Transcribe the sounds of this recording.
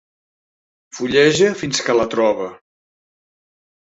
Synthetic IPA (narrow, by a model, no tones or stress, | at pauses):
fuʎɛʒəfinskələt̪ɾɔβə